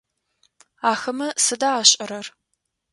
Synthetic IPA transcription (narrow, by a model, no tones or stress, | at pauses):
aːxɐmɐsɨdaːɕʼɐɾɐr